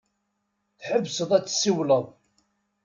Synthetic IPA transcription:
θħəvːsəðˤæt͡sːsːiwləðˤ

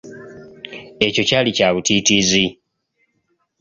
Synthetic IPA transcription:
e̞co̞caːlicaːβutiːtizi

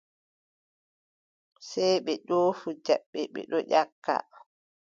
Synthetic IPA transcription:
sɛjɓɛɗoːfud͡ʒɛɓːɛɓɛ̰ɗɔʔakːa̰

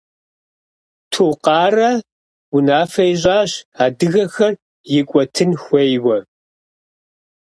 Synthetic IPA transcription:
tʰuqɑːrɐ | wʊnaːfɐjɪɕʼaːɕaːdɨɣɐxɐr | jɪkʷʼɔtʰɨnxʷejwɐ

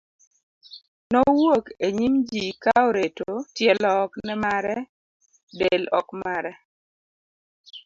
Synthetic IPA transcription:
nɔwokeɲimd͡ʒikaoɾetotjɛlɔknɛmaɾɛ | delɔkmaɾɛ

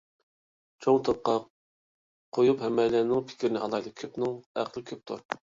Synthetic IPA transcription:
t͡ʃʰoŋt̪ʰop̚qɑ | qʰojuphɛmːɛlænɪŋpʰɪ̥kʲʰɾɪnɪʔɑlˠɑjd̪ɨkʲʰøpnɪŋæqʰlˠɪkʲʰøp̚t̪ʰṵɾ

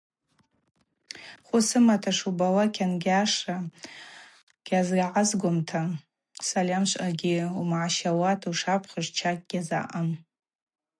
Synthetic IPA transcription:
χʷʊsɨmatʰaʂubawakʲʰanɡʲaʂa | ɡ̥ʲazɡʲaʕazɡʷʊmtʰa | salʲamʃʷʼaɡʲɪumʕaʃawatʰuʂapʰχəʐt͡ʃʰak̚ʲʼɡʲaza̰ʔan

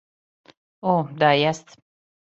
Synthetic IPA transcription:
oːd̪aːjast̪

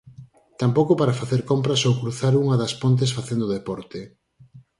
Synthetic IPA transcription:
t̪ampowkʊpaɾɐfaθeɾkompɾɐsowkɾuθaɾuŋɐðɐspont̪̬esfaθend̪oðepɔɾt̪e

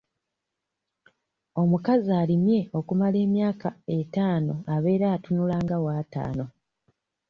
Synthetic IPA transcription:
o̞mukaziaːlimje̞o̞kumale̞ːmjaːkae̞taːno̞aβe̞ːɾaːtunulaːŋɡawaːta̰ːno̞

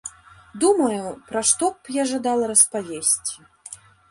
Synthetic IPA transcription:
d̪umɐjupɾaʂt̪ɔpjaʐad̪alˠɐɾɐspavʲesʲt͡sʲi̥

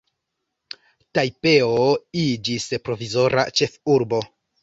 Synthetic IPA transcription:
tajpe̞oid͡ʒispɾo̞vizo̞ɾʔa̰t͡ʃe̞fuɾbo̞

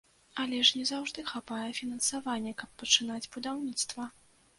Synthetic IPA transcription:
ɐlʲɛʂnʲɛzawʐd̪ɨxapajɛfʲinɐnsavanʲːɛkɐpːɐt͡ʂɨn̪ad͡zʲbud̪awnʲit̪st̪vɐ

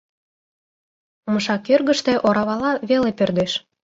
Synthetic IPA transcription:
məʃɑkørɣə̆ʃt̪ĕʔoɾɑβɑlɑβelepørd̪eʃ

